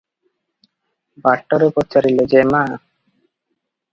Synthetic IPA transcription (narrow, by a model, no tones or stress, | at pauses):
baʈːoɾupott͡ɕaɾilod͡ʑema